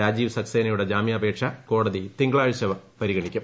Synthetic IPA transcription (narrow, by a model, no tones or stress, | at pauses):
aːd͡ʑiːʋsɐkseːnɐjuɽed͡ʑaːmijɐːbe̞ːkʂɐko̞ːɽɐðit̪iŋɡɐɭaːɻt͡ɕɐʋɐpɐɾiɣɐɳikʲːum